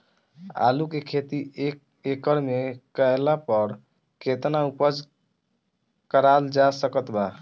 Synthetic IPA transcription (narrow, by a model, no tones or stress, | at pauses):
a̰lukekʰet̪i | ekəɾmekəelapəɾ | ket̪naupəd͡ʒ | kəɾald͡ʒasəkət̪ba